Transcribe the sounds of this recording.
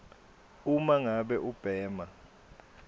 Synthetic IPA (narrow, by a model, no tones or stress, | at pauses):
umaŋaɓɛʔub̥ʱɛːma